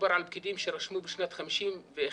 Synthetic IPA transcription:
baɾʕalb̚kid̪imʃeɾaʃmubeʃnat̪χamiʃimve

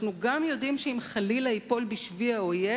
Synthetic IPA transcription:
nuɡamjo̞dimʃeimχalilaipo̞lbiʃviaoje

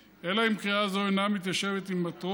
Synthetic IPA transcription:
e̞laimkʁiazoejnamit̪jaʃe̞vet̪imːat̪o

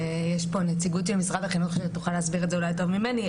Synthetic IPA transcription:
jeʃpo̞net͡siɡut̪ʃelmisʁad̪aχinot̪χoʃuet̪uχaleːsbiʁetzeulajto̞vmimeni

